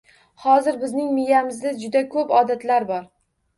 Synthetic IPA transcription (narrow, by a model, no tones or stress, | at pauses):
hɒzɪɾbɪznɪŋmɪjamɪzd̪ad͡ʒʊd̪akʰɵpɒd̪at̪laɾbɒɾ